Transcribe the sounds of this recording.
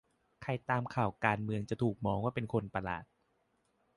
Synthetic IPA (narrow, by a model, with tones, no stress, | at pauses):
kʰa˧jt̪aː˧mkʰaː˨˩wkaː˧nmɯ˧əŋt͡ɕa˨˩t̪ʰuː˨˩k̚mɔː˧ŋwaː˥˩pe˧nkʰo˧npa˧la̰ː˨˩t̪̚